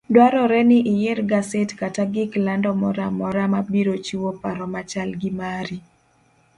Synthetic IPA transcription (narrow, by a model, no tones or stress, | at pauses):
dwaɾɔɾɛnɪʔɪjeɾɡasetkataɡɪklandɔmɔɾamɔɾamabiɾot͡ʃiwopaɾɔmat͡ʃalɡɪmaɾi